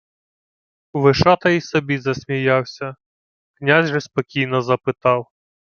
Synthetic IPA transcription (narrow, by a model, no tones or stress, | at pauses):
ʋɪʂat̪ɐisɔbʲizɐsʲmʲijawsʲɐ | knʲazʲʒɛsʲpɔkʲijn̪ɔzɐpɪt̪ɑw